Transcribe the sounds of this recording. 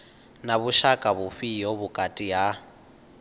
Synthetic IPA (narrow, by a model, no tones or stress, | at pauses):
naβuʃakʼaβuɸijɔβukʼatʼija